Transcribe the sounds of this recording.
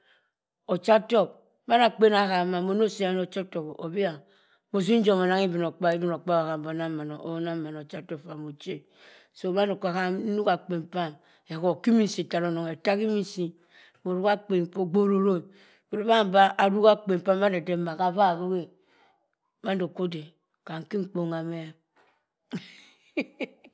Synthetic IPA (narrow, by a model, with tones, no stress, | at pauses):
o˨t͡ʃa˦to˦k̚ | ba˦na˨k͡pe˦na˦ɣa˨ma˨mo˦˨no˦si˦a˨˦no˨t͡ʃa˦to˨ko˨bi˦a˨ | mo˨zi˦n̩˦d͡ʒo˦˨mo˨na˦ŋi˦bi˨no˨k͡pa˦i˦bi˦no˨k͡pa˦a˨ɣa˨bo˨na˦ma˨no˨o̰˦na˦ma˨no˨t͡ʃa˦to˦˨fa˨mo˨t͡ʃe˦ | so˦˨ba˦ndo˨ka˨ɣa˦nu˦ka˨k͡pe˨mpa˦m | e˨ko˦˨ki˦mi˦n˦si˨ta˨ɾo˦no˨ŋe˨ta˦ki˦mi˦n˦si˦˨ | bo˨ɾu˦ka˦k͡pe˨po˦ɡ͡bo˦ɾo˦ɾo˦˨ | bo˨ɾo˨˦ba˦˨ba˦a˨ɾu˦ka˦k͡pe˨m˨pa˦mba˦de˨de˦ma˨ka˨va˦˨bo˦ɡe˦ | ba˦ndo˨ko˦de˨ | ka˨ŋ̩˨ki˦ŋ͡m̩˦k͡po˦ŋa˨me˦